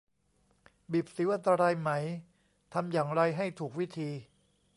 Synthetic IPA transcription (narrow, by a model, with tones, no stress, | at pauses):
bi˨˩p̚si˨˩˦wʔa˧nt̪a˧ɾaː˧jma˦˥˩j | t̪ʰa˧mjaː˨˩ŋɾa˧jɦa˥˩jt̪ʰuː˨˩k̚wi˦˥t̪ʰiː˧